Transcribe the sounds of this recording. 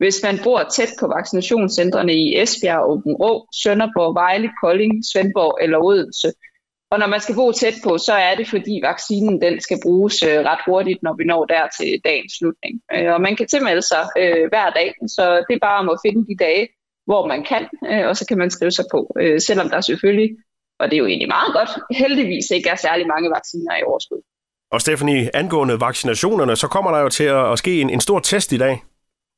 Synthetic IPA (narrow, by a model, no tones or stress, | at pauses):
ʋe̝smænb̥ʁoɐ̰t͡sʰed̥̚pʰɒ̽ʋɑ̈ɡ̥sinæɕo̝̰ːnsend̥ʁɐnəiʔesb̥eæob̥n̩ʁɔ̰ːsønɐb̥ɒʋɑ̈ɪlikʰɒ̽le̝ŋsʋenb̥ɒʊʔelɐoð̞̰ˠn̩sə | ɒ̽nɒmænsɡ̥æb̥o̰ːt͡sʰed̥̚pʰɒ̽sɒ̽æɐd̥e̝fɒd̥ḭːʋɑ̈ɡ̥siːnn̩d̥ensɡ̥æb̥ʁuːsøʁɑ̈d̥ho̝ɐdid̥nɒʋinɒ̰ːd̥æɐ̰t͡sʰe̝d̥ɛ̰ːnsːlud̥ne̝ŋøɒ̽mænkʰæt͡sʰe̝lmeləsɑ̈ɪøʋæɐ̰d̥ɛ̰ːsɒ̽d̥e̝b̥ɑ̈ːɒ̽mɒ̽fe̝nəd̥id̥ɛːə | ʋɒmænkʰæn̰øɒ̽sɒ̽kʰæmænsɡ̥ʁiːʊsɑ̈ɪpʰɒ̽øsel̰ɒ̽md̥ɑ̈sefølji | ʔɒ̽d̥e̝jo̝e̝̰ːnlimɑ̈ːð̩ˠɡ̥ɒ̽d̥held̥iʋḭːseɡ̥æɐsæɐlimɑ̈ŋəʋɑ̈ɡ̥siːnɐiɒʊɐsɡ̥uð̰ˠ | ʔɒ̽sd̥efæniænɡ̥ɔ̰̽ːnəʋɑ̈ɡ̥sinæɕo̝̰ːnɐnəsɒ̽kʰɒ̽m̰ɐɾ̥ɑ̈jo̝t͡sʰe̝læsɡ̥e̝̰ːene̝nsd̥o̝ɐ̰t͡sʰesd̥id̥ɛ̰ː